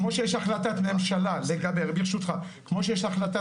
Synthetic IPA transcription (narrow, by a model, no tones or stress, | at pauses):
mo̞ʃejeʃaχlatat̪memʃalaleɡabe̞ʁbiʁʃut̪χakmo̞ʃejeʃaχlat̪a